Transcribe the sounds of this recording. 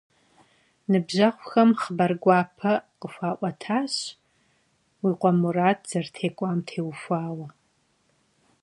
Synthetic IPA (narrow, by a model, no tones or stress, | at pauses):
nɨbʑɐχʷxɐmχəbɐrɡʷaːpʰɐqəfʷaːʔʷɐtʰaːɕ | wiːqʷɔmuraːt̚ʰz̥ɐrtʰeːkʷʼaːmtʰeːwfʷaːwɐ